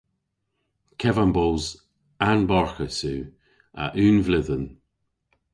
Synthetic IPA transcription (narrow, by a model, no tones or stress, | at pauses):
kʰɛvanbɔlˠz | anbɔɹxəsʉː | a̰ʔʉːnvlɪðən